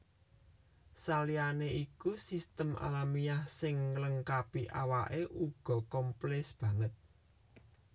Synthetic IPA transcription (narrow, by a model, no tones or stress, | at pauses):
salijaneʔikusist̪əmʔa̰lamijahsɪŋːələŋkapiʔawaʔeʔuɡ̥ɔ̤kɔmplɛsb̥ä̤ŋət̪̚